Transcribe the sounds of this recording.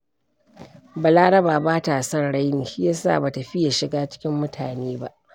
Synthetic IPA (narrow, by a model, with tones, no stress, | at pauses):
baː˨laː˦ɽɐ˦baː˨baː˦ta˨sɐ˦nɽa˦jniː˨ʃi˦jaː˦sa̰ː˦˨ba˨ta˨ɸɪ˦ja˨ʃɪ˨ɡaː˦t͡ʃɪ̥˦kʲɪ˦mːʊ˦tʰaː˨neː˦ba̰˦ʔ